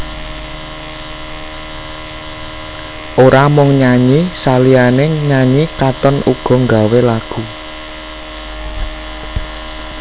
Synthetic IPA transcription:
ʔoɾamʊŋɲaɲisalianeɲaɲikat̪ɔnʔuɡ̥ɔ̤ŋɡa̤welaɡ̥u

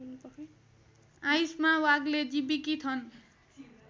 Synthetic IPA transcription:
ajsmawaɡled͡zibikit̪ʰʌn

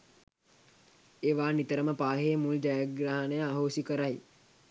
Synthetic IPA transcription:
eːʋaːnit̪əɾəməpaːɦeːmuld͡ʒajaɡraːɦnəjəaɦoːsikəɾaj

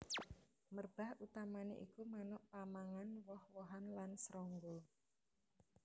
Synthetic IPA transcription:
mərb̥a̤hʔut̪amanḛʔikumanɔʔpamaŋanwɔhwɔɦanlansɾɔŋɡo

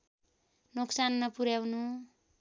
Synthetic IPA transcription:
noksanːʌpuɾjawnu

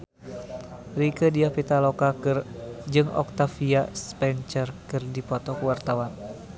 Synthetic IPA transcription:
rikədiapit̪alɔkakɨrd͡ʒɨŋɔ̰k̚t̪afiaspɛɲt͡ʃərkɨrdipɔt̪ɔkuwart̪awan

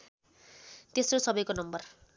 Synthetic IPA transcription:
t̪esrosʌbʌjkonʌmbʌr

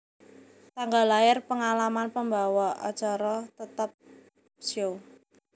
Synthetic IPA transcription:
t̪aŋɡalaɪrpəŋalamanpəmba̤wɔʔɔ̰̥d͡ʒ̥aɾɔt̪ət̪əp̚ | sio

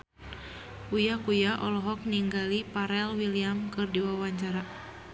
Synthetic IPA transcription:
ujakujaʔɔlɔɦɔk̚niŋɡalipaɾɛlwiliamkɨrdiwawaɲt͡ʃaɾa

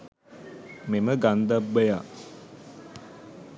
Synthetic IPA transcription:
meməɡand̪abːəjaː

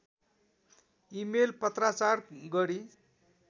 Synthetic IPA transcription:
imelpʌt̪rat͡sarɡʌɾi

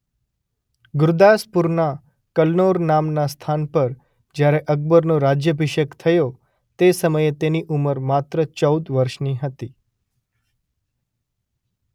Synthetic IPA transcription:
ɡʊɾd̪aspuɾna | kəlnoɾnamnast̪ʰanpəɾ | d͡ʒjaɾeʔək̚bəɾnõɾad͡ʒjəbʱiʃəkt̪ʰəjo | t̪esəməjet̪eniʔuməɾmat̪ɾət͡ʃəud̪ʋəɾʃniɦət̪i

